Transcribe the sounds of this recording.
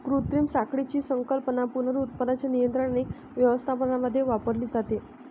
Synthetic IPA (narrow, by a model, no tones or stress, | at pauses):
kɾut̪ɾiːmsakɽit͡ɕiːsəŋkəlpənapunəɾut̪̚pəd̪at͡ɕjanijənt̪ɾəɳane | ʋjəʋəst̪ʰapəɳaməd̪ʱːjeʋapəɾliːd͡zat̪e